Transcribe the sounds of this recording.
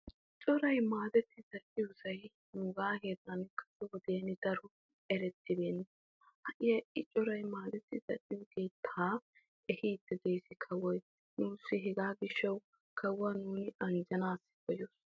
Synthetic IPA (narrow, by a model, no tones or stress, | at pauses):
ʔɪt͡ʃʼːɔɾɐjmaːd̪ɛt̪ːɪzɐʔʼɪjʊsɐj | nuːɡaːheːt̪ːɐnkɐ̥sɛwɔd̪eːnɪd̪̥ɐɾʊ | ʔɛɾɛt̪ːɪbeːnːɛ | hɐʔɪjɐɪt͡ʃʼːɔɾɐjmaːd̪ɛt̪ːɪzɐʔʼːɪjʊkeːt̪ʰːaː | ɛhiːd̪ːɪd̪eːsɪkʰɐwɔj | nuːsːɪɦɛɡaːɡɪʃːɐw | kʰɐwːɐnuːnɪɐnd͡ʒɐnaːsːɪ̥kɔjos